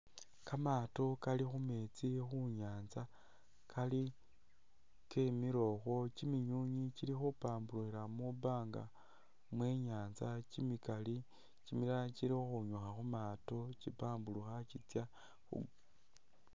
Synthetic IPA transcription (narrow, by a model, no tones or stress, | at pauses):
kamato̞kalixume̞t͡sixuɲaːnza | kʰali | kemiɾo̞xo̞t͡ʃimiɲuɲit͡ʃiɾixupaːmbuluiɾamubaːŋɡa̰ | mweːɲaːnzacimikali | t͡ʃimiɾaciɾixuɲoxaxumaːtot͡ʃipaːmbuluxat͡ʃit͡sja | xṵ